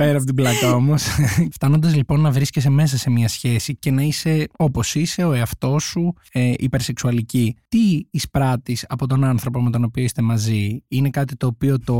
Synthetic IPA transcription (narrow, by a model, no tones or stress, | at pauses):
peɾɐpot̪iblɐt̪ɐo̞mo̞sft̪ɐnond̪ɐzlipo̞nːɐvɾisces̬e̞me̞s̬ɐse̞miɐsçe̞sice̞nɐise̞o̞po̞sise̞o̞eɐft̪o̞su | eʔḭpeɾse̞ksuɐlicit̪iːspɾɐt̪isɐpo̞t̪o̞nɐnθɾo̞po̞me̞t̪o̞nopioist̪e̞mɐziine̞kɐt̪it̪o̞ːpio̞t̪o̞